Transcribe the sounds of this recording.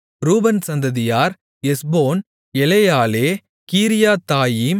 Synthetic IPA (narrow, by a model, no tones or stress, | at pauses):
ɾuːbɐnsɐnd̪ɐðɪjaːɾ | ɛsboːn | ɛlɐjaːleː | kiːɾɪjaːt̪aːjiːm